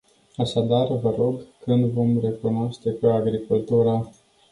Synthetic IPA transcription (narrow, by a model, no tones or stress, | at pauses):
aʃad̪arvəɾo̞ɡkɨnd̪vo̞mre̞kunoaʃt̪e̞keaɡɾikult̪uɾə